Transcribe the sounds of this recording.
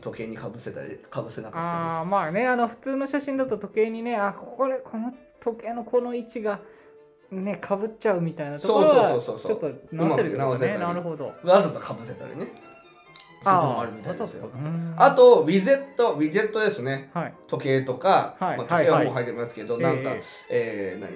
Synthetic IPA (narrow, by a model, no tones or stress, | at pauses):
t̪o̞ke̞ːɲ̟ikabɯ̟set̪a̰ɾʲḭkʰabɯ̟se̞nakaaːamaːne̞ano̞ɸɯ̟̥t͡sɨːno̞ɕaɕĩnd̪at̪o̞t̪o̞ke̞ːɲ̟ine̞akʰokoɾekʰo̞no | t̪o̞ke̞ːno̞kʰo̞no̞it͡ɕiɡa | ne̞kʰabɯ̟tt͡ɕaɯ̟mʲit̪ainat̪osokoɾosooaoːsoːsot͡ʃot̪ːonaɯmakeɾɯnaoseenaɾɯ̟ho̞d̪o̞̰azot̪akʰabɯ̟se̞t̪a̰ɾḭne | saomoa̰ɾɯ̟mʲit̪adsjo̰ɯ̃at̪o̞βʲize̞t̪ːo̞bʲize̞t̪ːo̞d̪e̞sɨne̞hait̪ʰo̞ke̞ːt̪o̞kahaimaːt̪oakeaoɦait̪ːemʲimasɨ̥keed̪o̞nãŋka̰eːna̰ɲʲḭ